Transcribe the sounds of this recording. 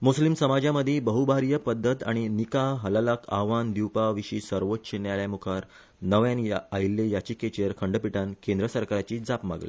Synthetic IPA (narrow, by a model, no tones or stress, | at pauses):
muslimsəmad͡ʑjaməd̪ʱːjebəɦubʱaɾjəpəd̪ʱːət̪a̰ɽ̃inikaɦəlalakʰa̰ɦʋand̪iwpaʋiɕiːsəɾʋot̪ːɕenjaljamukʰaɾ | nəʋjãnjaajlːejat͡ɕiket͡ɕeɾkʰəɳɖəpiʈankẽnd̪ɾəsəɾkaɾat͡ɕiːd͡zapma̰ɡlḛ